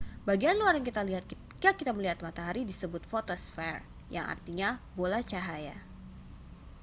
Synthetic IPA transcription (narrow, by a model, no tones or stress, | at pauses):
baɡianluarjaŋkit̪aliɦat̪̚ | kakit̪aməliɦat̪̚mat̪aɦaɾidisəbʊt̪̚fot̪osfɛr | ja̰ŋa̰rt̪iɲabolat͡ʃaɦaja